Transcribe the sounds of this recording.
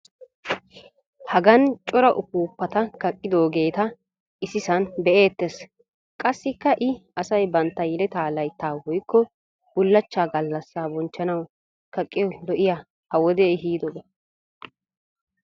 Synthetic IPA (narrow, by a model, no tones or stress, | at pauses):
hɐɡɐnt͡ʃʼɔɾɐʔʊpuːpːɐt̪ɐkɐkʼːɪd̪o̞ːɡe̞ːt̪ɐ | ʔɪsɪsɐnbɛʔeːt̪ːes | kʼɐsːɪkːɐʔɪɐsɐjbɐnt̪ːɐjɛlɛt̪aːlɐjt̪ːaːwɔjkːɔ | b̥ʊlːɐt͡ʃːaːɡɐlːɐsːaːbɔnt͡ʃːɐnɐw | kɐkʼːɪjɔlɔʔɪja | hɐwɔd̪ɛɦiːd̪ɔɡɐ